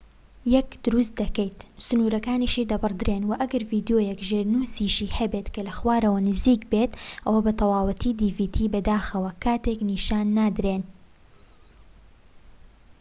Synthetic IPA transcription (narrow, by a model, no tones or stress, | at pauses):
jɛkd̪ʊɾust̪̚d̪ɐkejt̪sʊnuːɾɐkaːniːʃiːd̪ɐbɨrd̪ɨɾeːnwɐʔɐɡɐɾviːd̪joːjekʒeːɾnuːsiːʃiːhɐbeːt̪kɐlɐxwaːɾɐwɐnɨziːkbeːt̪ʔɐwɐbɐt̪ʰɑwɑːwɨt̪ʰiːd̪iːviːt̪ʰiːbɐd̪aːxɐwɐkʰaːt̪eːkniːʃaːnːaːd̪ɾeːn